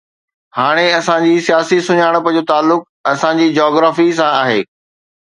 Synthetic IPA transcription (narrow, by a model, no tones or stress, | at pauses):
haːɽ̃eɐsãd͡ʑiːsijaːsisʊɲaːɽ̃pəd͡ʑoːt̪aːlːʊk̚ɐsãd͡ʑiːd͡ʑɔːɡɾaːfis̬ãaːɦeː